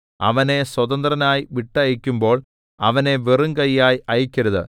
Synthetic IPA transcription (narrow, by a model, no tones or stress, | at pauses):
ɐ̰ʋɐne̞swɐðɐnd̪rɐnaːjʋiʈːɐjikʲːumbo̞ːɭ | ɐʋɐne̞ʋirɨŋkɐjːaːjʔɐjikʲːɐɾuðɨ̰